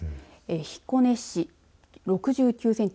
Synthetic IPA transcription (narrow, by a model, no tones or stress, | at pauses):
eçi̥kːo̞ne̞ɕi | ɾo̞kɯ̟ʑɨːkʲɨːsẽ̞ɲ̟